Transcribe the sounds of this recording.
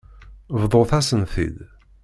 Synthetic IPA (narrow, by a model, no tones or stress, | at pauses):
vðˤoθæsənθḭd̪